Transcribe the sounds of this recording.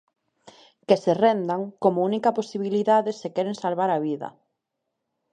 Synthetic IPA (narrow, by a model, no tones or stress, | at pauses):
keserɛnd̪aŋkomʊunikaposiβiliðaðesekɛɾeŋsalβaɾaβiðɐ̰